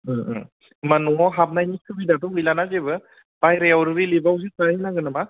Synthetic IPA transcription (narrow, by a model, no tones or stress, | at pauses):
manuŋɔɦap̚najnikʰɯbidatɯɯjlanazebɯ | pajɾeawɾɯɾilibawz̬ikaɾinaɡɯnama